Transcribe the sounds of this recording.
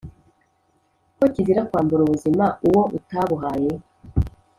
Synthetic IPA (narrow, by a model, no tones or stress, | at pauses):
kociziɾakwaːmbuɾuβuzimauwoʔutaβuɦaːje